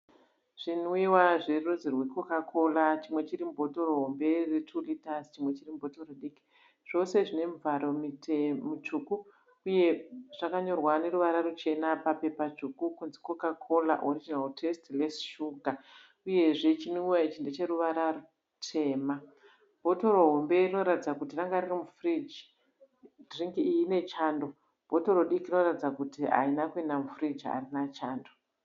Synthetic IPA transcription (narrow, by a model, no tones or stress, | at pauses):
ʐ̥inoiwaʐerozirwikokakʰo̞lat͡ʃimwet͡ʃiɾimubʱo̞toroɦombe̞retʰulitazt͡ʃimwe̞t͡ʃirimubʱotoroɗiki̥ | ʐ̥o̞se̞ʐine̞muvʱaɾo̞mimut͡ʃuku | uje̞ʐ̥akaɲo̞rwane̞ɾuʋaɾarut͡ʃe̞napape̞pat͡ʃukukunziko̞kakʰo̞la̰ʔorid͡ʒinaltʰestlesʃuɡʱa | uje̞ʐe̞t͡ʃiniuwait͡ʃindet͡ʃe̞ɾuʋaɾaru | tʰe̞ːma | b̥ʱo̞to̞ɾo̞ɦo̞mbe̞rino̞ɾatid͡zakutiraŋɡaririmufrid͡ʒi | driŋɡiːjine̞t͡ʃaːndo̞ | b̥ʱo̞to̞ɾoɗikino̞ratid͡zakutia̰inakuenamufrid͡ʒa̰rinat͡ʃaːndo̞